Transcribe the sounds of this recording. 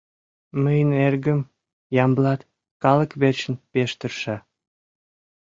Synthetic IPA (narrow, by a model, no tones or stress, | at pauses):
məjənerɡəm | jɑmblɑt̪ | kɑləkβert͡ɕənpeʃt̪ərʃɑ